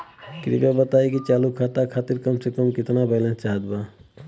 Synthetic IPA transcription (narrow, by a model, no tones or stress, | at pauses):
kɾḭbabət̪ajkit͡ʃalukʰat̪akʰat̪iɾkɔmsekɔmkit̪nabajlãt͡ʃaɦət̪̚ba